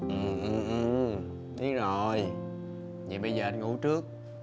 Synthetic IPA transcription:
ʔɨ˨˩ʔɨ˨˩mʔɨ˧˩ | t̪i˨˦˥ək̚zo˨˩j | ɲi˨˩ɓə˧jzəː˨˩ʔa˧jŋṵ˧˥˦t͡ɕɨ˦˥ək̚

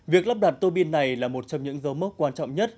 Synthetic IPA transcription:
vi˨˩ək̚lə˦˥p̚ɗa˨˩t̚t̪o˧ɓi˧nːa˨˩jlaː˨˩mo˨˩t̚t͡ɕɔ˧ŋ͡mɲɨ̰˧˥ŋzə˨˦wmə˦˥kwaː˧nt͡ɕɔ̰˧˨ŋ͡mɲə˦˥t̚

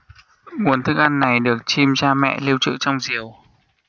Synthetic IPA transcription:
ŋu˨˩ənt̪ʰɨ˦˥k̚ʔa˧nːa˨˩jɗɨ˨˩ək̚t͡ɕi˧mt͡ɕaː˧mɛ̰˧˨li˧wt͡ɕɨ̰˧˨t͡ɕɔ˧wŋ͡mzi˨˩əw

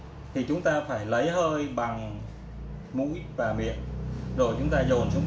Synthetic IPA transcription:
t̪ʰi˨˩t͡ɕʊ˨˦ŋ͡mt̪aː˧faː˧˩jlə˨˦jɦəː˧jɓa˨˩ŋ | mṵ˧˥jvaː˨˩mḭ˨˧˨ənɗo˧˩jt͡ɕʊ˨˦ŋ͡mt̪aː˧zo˨˩nt͡ɕʊ˨˦ŋ͡m

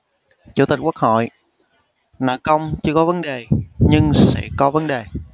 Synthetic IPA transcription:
t͡ɕṵ˧˥˩t̪i˨˩k̟̚ku˦˥k̚hɔ̰˧˨j | na̰ː˨˩kə˧wŋ͡mt͡ɕɨ˧əkɔ˨˦və˨˦nɗe˨˩ɲɨ˧ŋsɛ̰˧˥kɔ˨˦və˨˦nɗe˨˩

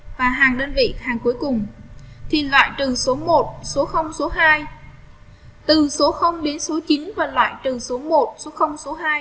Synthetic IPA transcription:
vaː˨˩ɦaː˨˩ŋɗəː˧nvḭ˧˨haː˨˩ŋku˨˦əjkʊ˨˩ŋ͡mt̪ʰi˨˩lwa̰ː˧˨jt̪ɨ˨˩so˨˦mo˨˩t̚so˨˦xə˧wŋ͡mso˨˦ɦaː˧j | t̪ɨ˨˩so˨˦xə˧wŋ͡mɗe˨˦nso˨˦t͡ɕi˨˦nvaː˨˩lwa̰ː˧˨jt̪ɨ˨˩so˨˦mo˨˩t̚so˨˦xə˧wŋ͡mso˨˦ɦaː˧j

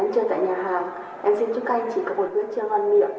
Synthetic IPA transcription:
ŋt͡ɕəː˨˩t̪a̰ː˧˨jɲaː˨˩ɦaː˨˩ŋ | ʔɛ˧msi˧nt͡ɕu˦˥k̚ʔa˧jŋ̟t͡ɕi˧˩kɔ˨˦mo˨˩t̚nɨ˦˥ək̚t͡ɕɨ˧əŋha˧nmḭ˧˨ə˨w

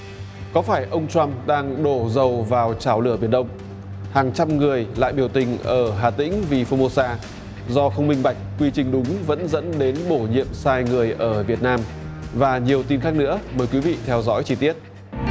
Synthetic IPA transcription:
kɔ˨˦faː˧˩jʔə˧wŋ͡mt͡ɕwa˧mɗaː˧ŋɗo˧˩zə˨˩wvaː˨˩wt͡ɕaː˧˩wlɨ˧˩ə˩ɓi˧˩ənɗə˧wŋ͡m | haː˨˩ŋt͡ɕa˧mŋɨ˨˩əjla̰ː˧˨jɓi˧˩əwt̪ï˨˩ŋ̟ʔəː˧˩ɦaː˨˩t̪ḭ̈˧˥ŋ̟vi˨˩fo˧mo˧saː˧ | zɔ˧xə˧wŋ͡mmï˧ŋ̟ɓa˨˩jk̟̚kwi˧t͡ɕï˨˩ŋ̟ɗʊ˨˦ŋ͡mvə̰˧˥nzə̰˧˥nɗe˨˦nɓo˧˩ɲḭ˧˨əmsaː˧jŋɨ˨˩əjʔəː˧˩vi˨˩ət̚naː˧m | vaː˨˩ɲi˨˩əwt̪i˧nxa˦˥k̚nɨ̰˧˥əməː˨˩jkwi˨˦vḭ˧˨t̪ʰɛ˧wzɔ̰˧˥jt͡ɕi˧t̪i˦˥ət̚

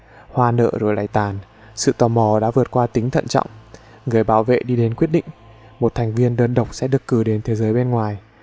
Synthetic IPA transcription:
hwaː˧nə̰ː˧˨zo˨˩jla˨˧˩jt̪aː˨˩n | sɨ̰˧˨t̪ɔ˨˩mɔ˨˧˩ɗa̰ː˧˥vɨ˨˩ət̚kwaː˧t̪ï˨˦ŋt̪ʰə̰˧˨nt͡ɕɔ̰˧˨wŋ͡m | ŋɨ˨˩əjɓaː˨˦wvḛ˧˨ɗi˧ɗe˨˦nkwi˦˥t̚ɗḭ̈˧˨ŋ̟ | mo˨˩t̚t̪ʰa˨˩jŋ̟vi˧ənɗəː˧nɗə˨˩wk͡p̚sɛ̰˧˥ɗɨ˨˩əkːɨ˨˩ɗe˨˦nt̪ʰe˨˦zəː˨˦jɓe˧nŋwaː˨˩j

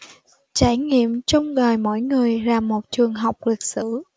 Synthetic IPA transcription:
t͡ɕaː˧˩jŋḭ˧˨əmt͡ɕɔ˧wŋ͡mɣəː˨˩jmo̰˧˥˨jŋɨ˨˩əjzaː˨˩mːo˨˩t̚t͡ɕɨ˨˩əŋɦa˨˩wk͡p̚li˨˩k̚sɨ̰˧˥

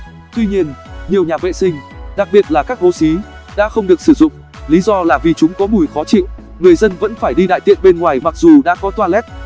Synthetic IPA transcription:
t̪wi˧ɲi˧ənɲi˨˩əwɲaː˨˩vḛ˧˨sï˧ŋ̟ɗa˨˩k̚ɓi˨˩ət̚laː˨˩kaː˦˥k̚ho˨˦si˨˦ | ɗa̰ː˧˥xə˧wŋ͡mɗɨ˨˩ək̚sɨ˧˩zʊ̰˧˨ŋ͡m | li˨˦zɔ˧laː˨˩vi˨˩t͡ɕʊ˨˦ŋ͡mkɔ˨˦mu˨˧˩jfɔ˨˦t͡ɕḭ˧˨ | ŋɨ˨˩əjzə˧nvə̰˧˥nfaː˧˩jɗi˧ɗa̰ː˧˨jt̪ḭ˧˨ənɓe˧nŋwaː˨˩jma˨˩k̚zu˨˩ɗa̰ː˧˥kɔ˨˦t̪waː˧lɛ˦˥t̚

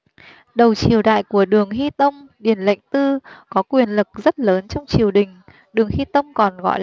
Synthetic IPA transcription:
ɗə˨˩wt͡ɕi˨˩əwɗa̰ː˧˨jku˧˩əɗɨ˨˩əŋɦi˧t̪ə˧wŋ͡mɗi˨˩ənla̰˧˨jŋ̟t̪ɨ˧kɔ˨˦kwi˨˩ənlɨ˨˩k̚zə˦˥t̚ləː˨˦nt͡ɕɔ˧wŋ͡mt͡ɕi˨˩əwɗï˨˩ŋ̟ | ɗɨ˨˩əŋhi˧t̪ə˧wŋ͡mkɔ˨˩nɣɔ̰˧˨j

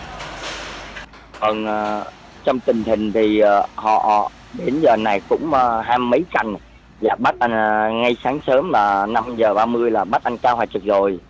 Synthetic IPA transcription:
və˨˩nː˨˩ | t͡ɕɔ˧wŋ͡mt̪ï˨˩ŋ̟t̪ï˨˩ŋ̟t̪ʰi˨˩˨hɔ̰˧˨˩ | ɗe˨˦nzəː˨˩na˨˩jkʊ̰˧˥ŋ͡mə˨˩ɦaː˧ə˨˦jka̰˧˨ŋ̟ | zaː˨˩ɓa˦˥t̚ʔa˧ŋŋa˧jsaː˨˦ŋsəː˨˦mlaː˨˩na˧mzəː˨˩ɓaː˧mɨ˧əjlaː˨˩ɓa˦˥t̚ʔa˧ŋ̟kaː˧wɦwaː˨˩jt͡ɕɨ˨˩k̚zo˨˩j

